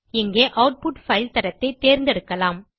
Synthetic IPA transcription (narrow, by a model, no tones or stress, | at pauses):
ɛŋɡeːʔɐʊʈ̚pʊʈfɐɪlt̪ɐɾɐt̪ːɐɪt̪ːeːɾnd̪ɛɽɯkːɐlaːm